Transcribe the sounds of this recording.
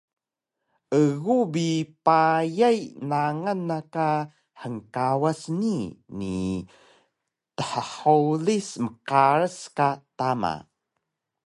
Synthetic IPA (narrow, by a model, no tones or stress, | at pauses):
ʔəɣubipajajnaŋanːaka | ħəŋkawasnini | təħəħolisməqaɾəskatama̰